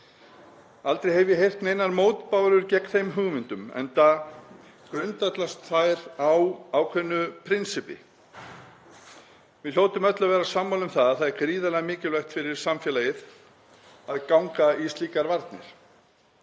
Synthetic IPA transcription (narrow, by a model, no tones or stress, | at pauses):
alt̪ɾejɦɛvjɛɦejr̥t̪nejnaɾmoːwt̪pawɾʏɾcɛkθejmɦʏɣmɪnt̪ʏmɛ̰nt̪a | kɾʏnt̪at̪last̪θajɾawawkʰvɛnːʏpʰɾɪnsɪpɪ̰ | vɪðloːwt̪ʏmœt̪lavɛːɾasamːawlʏmθaðaðθaðɛɾkɾiːðalɛɣamɪːcɪlvɛxt̪fɪɾɪɾ̥samfjɛlajɪð | aðkawŋkaisiːkaɾvaɾt̪nɪ̰ɾ̥